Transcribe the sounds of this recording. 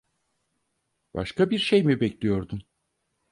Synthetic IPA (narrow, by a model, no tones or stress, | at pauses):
b̥a̰ʃkabiɾʃejmibɛclʲijo̞ɾd̪um